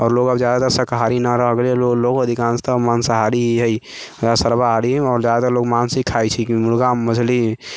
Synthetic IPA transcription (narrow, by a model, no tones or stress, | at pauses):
ɔːɾloːɡəbd͡ʒjaːd̪at̪əɾsəkɦaːɾinaɾəɦəɡleoloːɡəd̪ʱikãːnst̪əmaːnsəɦaːɾiɦiɦəi | səɾbaɦaɾĩɔːɾd͡ʒjaːd̪at̪əɾloːɡmaːnsikʰːait͡ʃʰikmʊɽɡaməd͡ʒʰli